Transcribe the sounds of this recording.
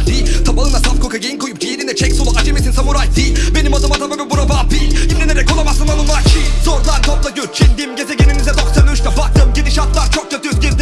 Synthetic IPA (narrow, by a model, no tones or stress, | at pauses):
tit̪ʰabaɯnasafkʰokajejinkʰojup̚d͡ʒejeɾind̪ɛt͡ʃʰɛcsolˠuʔad͡ʒemesinsamuɾajt̪ibenimazɯmat̪ʰamamɯbuɾabapihimnɛneɾɛkʰolˠamasɯnanˠɯnmat͡ʃʰizoɾlˠaɾt̪ʰoplaɟøɾt͡ʃʰind̪imɟezɛɡʲeninizɛd̪oksønʲʃt̪abat̪ʰɯmɟid̪iʃat̪̚lˠaɾt͡ʃʰok̚cøt̪ʰyzɟʲiɾd̪